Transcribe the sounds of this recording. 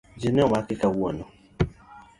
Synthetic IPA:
d͡ʒinɛwakikawuɔnɔ

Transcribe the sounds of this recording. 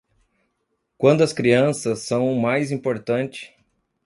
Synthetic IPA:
kwɐ̃nd̪ʊɐskɾiɐ̃sɐsːɐ̃w̃ʊmajzĩpoɾt̪ɐ̃nt͡ʃɪ̥

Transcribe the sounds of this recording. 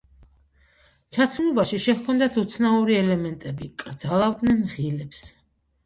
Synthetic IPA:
t͡ʃʰat̪sʰmlˠɔbaʃiʃɛhkʰɔnd̪at̪ʰut̪sʰnauɾiɛlɛmɛnt̪ʼɛbikʼɾd̪zalˠavd̪nɛnʁilɛps

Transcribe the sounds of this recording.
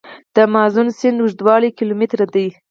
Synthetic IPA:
d̪̥əmɑzunsɪnd̪uʒd̪wɑlikilomɪt̪ɾad̪əj

